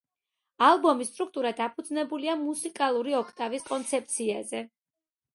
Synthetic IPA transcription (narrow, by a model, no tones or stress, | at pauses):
alˠbɔmist̪ʼɾuk̚ʰt̪ʼuɾad̪apʰud̪znɛbuliamusikʼalˠuɾiɔkʰt̪ʼaviskʼɔnt̪sʰɛp̚t̪sʰiazɛ